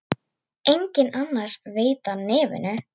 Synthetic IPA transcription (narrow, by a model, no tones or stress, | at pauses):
ejɲcɪnanːaɾ̥veːjt̪anɛːvʏ̰nʏ